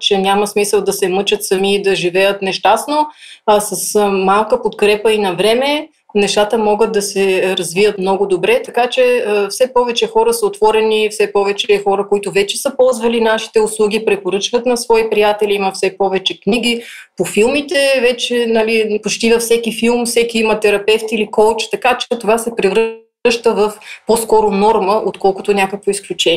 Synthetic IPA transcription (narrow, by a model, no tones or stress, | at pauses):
t͡ʃɛnʲaməsmisəlˠd̪ɐsɛmɤt͡ʃət̪sɐmiːd̪ɐʒivɛjət̪nɛʃt̪asnoasɐsmalˠkəpot̪kɾɛpəinɐvɾɛmɛ | nɛʃt̪at̪əmɔɡət̪̚d̪ɐsɛɾɐzvijət̪mnɔɡʊd̪obɾɛt̪ɐkat͡ʃɛəfsɛpɔvɛt͡ʃɛxɔɾəsəot̪v̥ɔɾɛnifsɛpɔvɛt͡ʃɛxɔɾəkoit̪ʊvɛt͡ʃɛsəpɔlˠzvəlinaʃi̥t̪ɛʊslˠuɡʲipɾɛpoɾɤt͡ʃvət̪nɐsvɔipɾijat̪ɛliiməfsɛpɔvɛt͡ʃɛkniɡʲi | pofilˠmit̪ɛvɛt͡ʃɛnɐlipot͡ʃt̪ivɐfsɛkifilˠmfsɛkiimɐt̪ɛɾɐpɛft̪ilikɔlˠt͡ʃt̪ɐkat͡ʃɛt̪ovasɛpɾivɾ | ʃt̪əvəfpɔskɔɾʊnɔɾməʔot̪kɔlˠkʊt̪onʲakəkvoisklʲut͡ʃɛ